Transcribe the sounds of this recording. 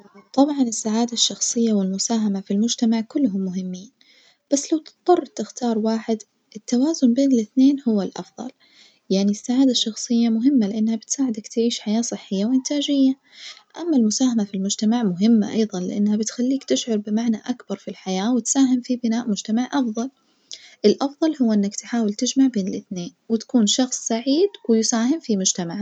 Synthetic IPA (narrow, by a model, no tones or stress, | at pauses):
t̪ˤɑbʕɑnɪsːaʕaːd̪aʃːɑxsˤɨjːawɪlmʊsaːɦamafilmʊd͡ʒt̪amaʕkʊlːɦʊmːʊɦɪmːiːn | b̥asːlawt̪ɨ̥t̪ˤːɑrˤːt̪ɪxt̪ɑːɾˤwaːħɪd̪ | ʔɪt̪ːawaːzʊnbeːnɪlɪθneːnhʊwːalʔɑ̰fðˤɑ̰l | jaʕnisːaʕaːd̪aʃːɑxsˤɨjːamʊɦɪmːalɪʔɪnːhabɪt̪saːʕɪd̪akt̪ɪʕiːʃħajaːsˤɨħːɪjːawʔɪnt̪ʰaːd͡ʒɪjːa | ʔamːalmʊsaːɦamafilmʊd͡ʒt̪amaʕmʊɦɪmːa̰ʔɑjðˤɑnlɪ̰ʔɪnːhabɪt̪xalːiːkt̪ɪʃʕʊɾˤbɪmaʕnaʔakbɑɾˤfilħajaːwɪt̪saːɦɪmfibɪnaːʔmʊd͡ʒt̪amaʕʔɑfðˤɑl | ʔɪlʔɑfðˤɑlhʊwːʔɪnːakt̪ħaːwɪlt̪ɪd͡ʒmaʕbeːnɪlʔɪθneːnwɪt̪ḁkuːnʃɑxsˤsaʕiːd̪wɪjɪsaːhɪmfimʊd͡ʒt̪amaʕ